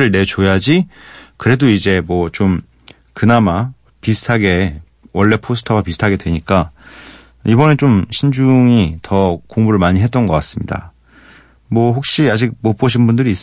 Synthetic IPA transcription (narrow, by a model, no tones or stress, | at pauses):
ɾɯɭne̞t͡ɕojad͡ʑikɯɾe̞doid͡ʑe̞mwʌt͡ɕom | kɯnama | pisʰɯ̥tʰaɡe̞ | wʌɭːe̞pʰos̬ʰɯ̥tʰʌwapisʰɯ̥tʰaɡe̞dwe̞ɲik͈a | ibʌne̞t͡ɕomɕʰind͡ʑuŋitʌkoŋmuɾɯɭmaɲiɦe̞t͈ʌnɡʌk͈as͈ɯmɲida̰ | mwʌɦok̚ɕ͈iad͡ʑik̚mop͈oɕ̬ʰinbundɯɾiːs͈